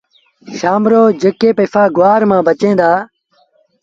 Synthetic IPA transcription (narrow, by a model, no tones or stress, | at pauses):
ʃaːmɾoːd͡ʒekeːpefaːɡʊʋaːɾmãːbət͡ʃẽːd̪aː